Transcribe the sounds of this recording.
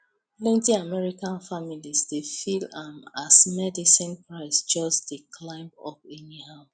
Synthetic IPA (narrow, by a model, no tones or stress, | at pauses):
plɛ̃ntĩamɛɹikãnfamilisdefilãmasmɛdisĩnpɹaɪsd͡ʒɔsdekʰlãɪ̃mbɔ̰pĩniha